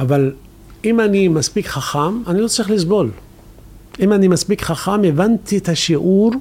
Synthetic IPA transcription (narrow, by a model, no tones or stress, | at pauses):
ʔaval | imanimaspikχaχamanilot͡sʁiχlis̬bo̞l | ʔimanimaspikχaχamevant̪iet̪aʃiʔuɾ